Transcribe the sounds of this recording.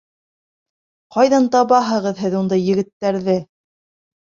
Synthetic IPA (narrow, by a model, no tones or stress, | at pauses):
qɑjðɑnt̪ɑβɑɦɤ̆ʁɤðɦɘðund̪ɑjːɘ̆ɡɘ̆t̪ːæɾðɘ